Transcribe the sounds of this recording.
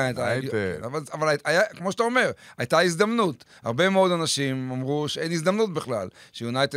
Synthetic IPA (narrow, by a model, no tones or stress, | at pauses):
taavaavalajakmo̞ʃe̥tao̞me̞ʁajt̪aizd̪amnut̪ | ha̰ʁbe̞meo̞d̪anaʃimomʁuʃeenizd̪amnutbeχla̰lʃejunajt̪e